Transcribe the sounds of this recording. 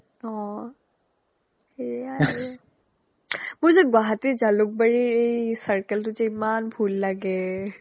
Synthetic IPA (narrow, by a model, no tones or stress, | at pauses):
ɔ̃ | ea | mʊzeɡwaɦatid͡ʒalʊk̚baɹiejsəɹkəltʊd͡ʒeimanbʱulːaɡɛ